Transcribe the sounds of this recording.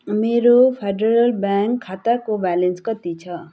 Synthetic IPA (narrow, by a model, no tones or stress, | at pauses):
meɾopʰeɖeɾʌlbaŋkʰːat̪akobalenskʌt̪it͡sʰʌ